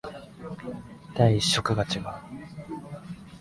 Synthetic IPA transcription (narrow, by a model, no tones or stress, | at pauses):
d̪̥aiiɕːo̞kɯ̟ɡat͡ɕiɡa